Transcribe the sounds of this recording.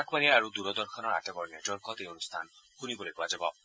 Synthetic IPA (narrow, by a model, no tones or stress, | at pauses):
akʰmaniaɾud̪uɾɔd̪ɔɾkʰɔnɔɾa̰tabɔɾned͡ʒɔɾkɔt̪eonust̪ʰanxunibɔlepuad͡ʒabɔ